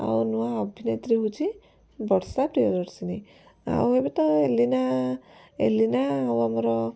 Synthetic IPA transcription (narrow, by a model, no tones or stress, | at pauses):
a̰wnuaɔbʱinet̪ɾiɦut͡ʃʰi | bɔɽsapɾijɔɾɔɾsini | a̰webet̪ɔelina | ḛlinaːwamɔɾɔ